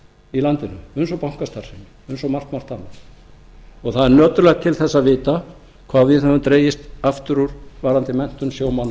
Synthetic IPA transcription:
ilant̪ɪnʏʏnsɔpawŋ̥kast̪aɾ̥sɪnɪ | ʏnsɔmar̥t̪mar̥t̪hanːa | ɔɣθaðɛɾnœːt̪ʏɾlɛɣt̪ʰɪlθɛsːaðvɪːt̪a | kʰvaːðvɪðhɛvʏmt̪ɾeːjɪst̪aft̪ʏɾuɾvaːɾant̪ɪmɛn̥t̪ʏnsjoːwmanːa

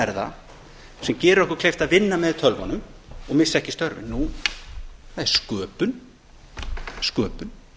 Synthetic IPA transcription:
ɛɾða̰ | sɛmcɛːɾʏɾɔhkʏ̥ɾkʰlejft̪aðvɪnːamɛðt̪ʰœlvɔnʏmɔɣmɪsːɛhcɪst̪œɾvɪ̰nu | θaðɛɾ̥skœːpʏn | skœːpʏn

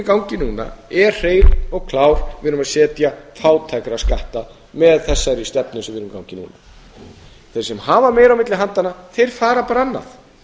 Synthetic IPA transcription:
kawɲcɪnuːna̰ɛr̥r̥eːjlɔɣkʰlaːwɾvɪðɾʏmaðsɛːt̪jafaːwt̪ʰajkɾaskaht̪a | mɛðθɛsːaɾist̪ɛpnʏsvɪɾʏmkawɲcɪnṵːna | θejɾ̥sɛmhaːvamɛːjɾawmɪt̪lɪɦant̪anːaθejɾ̥faːɾapaːɾaanːa̰θ

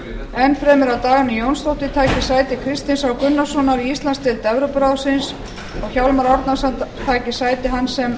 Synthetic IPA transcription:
ɛnːfɾɛːmɪɾawt̪aːɣanijownst̪owht̪ɪt̪ʰaːcɪsaːjt̪ɪkʰɾɪst̪ɪnsawkʏnːasɔnaɾiist̪lanst̪ʰɪlt̪ɛvɾʏpɾawsɪns | ɔɣçawlmaɾɔɾt̪nasat̪ʰaːcɪsaːjt̪ɪɦansɛm

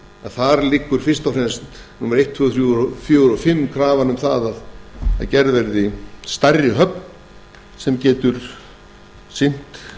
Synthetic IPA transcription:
aðθaɾlɪkːʏɾ̥fɪr̥st̪awfrɛnst̪numaɾejht̪ʰvœɣθɾjufjœɾɔfɪmːkʰɾaːvanʏmθaðaða̰cɛɾðvɛɾðɪst̪ajrːɪɦœpn | sɛmcɛːt̪ʏɾ̥ | sɪn̥t̪

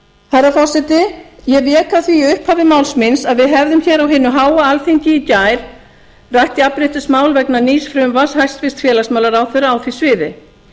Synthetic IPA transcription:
θɛrːafɔ̥sɛt̪ɪjɛvjɛːkaθviːʏhphaːvɪmaːwlsmɪnsaðvɪðɦɛvðʏmçɛːɾawɦɪnːʏɦaːwaalfiɲcɪːcaːjɾ̥ | rajht̪ɪapɾejht̪ɪsmaːwlvɛknaniːsfɾʏmvashajst̪vɪst̪fjɛːlasmawlaɾaːwθɛraːwθvisvɪːðɪ

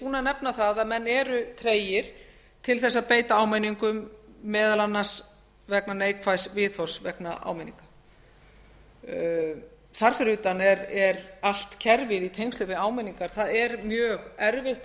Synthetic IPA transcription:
puːnanɛpnaθaðaðmɛnːɛːɾʏt̪ʰɾeːjɪɾ̥ | t̪ʰɪlθɛsːaðpeːjt̪aaːwmɛniŋkʏmːɛːðalanːas | vɛknaneːjkʰfajsvɪðθɔ̥svɛknaʔa̰wmɛniŋkḁ | θaɾ̥fɪɾʏːt̪anɛɾɛɾal̥t̪cʰɛɾvɪðit̪ʰejŋst̪ʏvɪaːwmɛniŋkaɾ̥θaðɛɾmjœːɣɛɾvɪht̪

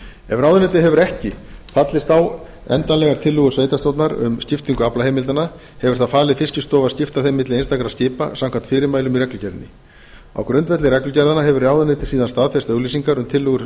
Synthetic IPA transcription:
ɛvraːwðʏnet̪̬ɪɦɛvʏɾɛhcɪfat̪lɪst̪aw | ɛ̰nt̪anlɛɣaɾ̥t̪ʰɪlːʏɣʏ̥sveːjt̪ast̪owt̪naɾʏ̰mscɪft̪iŋkʏaplaheːjmɪlt̪ana | hɛvʏ̥ɾ̥θaðfaːlɪðfɪscɪst̪ɔːvaðscɪft̪aθejmːɪt̪lɪejnst̪akɾascɪːpa̰samkʰant̪fɪːɾɪmaːjlʏmirɛklʏcɛɾðnɪ | a̰wkɾʏnt̪vɛt̪lɪrɛklʏcɛɾðanaɦɛvʏɾaːwðʏnɛt̪ɪ̥siːðanst̪aðfɛst̪œɣliːsiŋkaɾʏmt̪ʰɪlːʏɣʏɾ

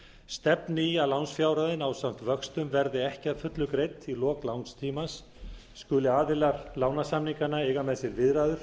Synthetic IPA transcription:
st̪ɛpnɪialawnsfjawɾaðɪnawsawm̥t̪vœkst̪ʏmvɛɾðɪɛhcɪḁfʏt̪lʏkɾejt̪ilɔːklawnst̪ʰiːmasː | kʏlɪaːðɪlaɾlaːwnasamniŋkanːaɛɣamɛðsɛɾvɪðɾaːðʏɾ̥

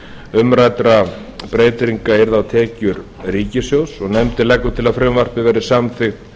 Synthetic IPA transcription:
ʏmɾajt̪ɾa | pɾeːjt̪ɾiŋkaɛɾðawt̪ʰɛːcʏɾ | riːcɪsjowsɔɣnɛmt̪ɪlɛkːʏt̪ʰɪlaðfɾɛmvar̥pɪvɛːɾɪsamθɪxt̪

